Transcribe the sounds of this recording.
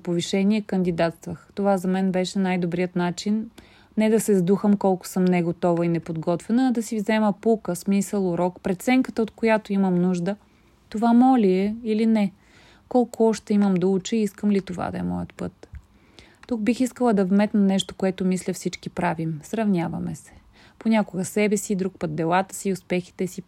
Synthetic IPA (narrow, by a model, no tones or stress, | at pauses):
poviʃɛniɛkənd̪id̪at̪st̪vəxt̪ovazɐmɛnbɛʃɛnajd̪obɾijət̪nat͡ʃinː | ɛd̪ɐsɛzd̪uxəmkɔlˠkʊ̥sɤmnɛɡot̪ɔvɐinɛpod̪ɡɔt̪vɛnəːd̪ɐsivzɛməpulˠkəsmisəlˠʊɾɔkpɾɛt̪t̪sɛŋkət̪əot̪kojat̪oiməmnuʒd̪ə | t̪ovamɔlʲiɛilinɛ | kɔlˠkʊɔʃt̪ɛiməmd̪ɐut͡ʃiiskəmlit̪ova̰d̪ɐ̰ɛ̰mɔ̰jə̰t̪pɤt̪ | t̪uk̚bixiskəlˠəd̪ɐvmɛt̪nɐnɛʃt̪o̥koɛt̪ʊmislʲəfsit͡ʃkipɾavimsɾɐvnʲavɐmɛsɛ̥ | ponʲakoɡəsɛbɛsid̪ɾuk̚pət̪̚d̪ɛlˠat̪ə̥siʊspɛxi̥t̪ɛsi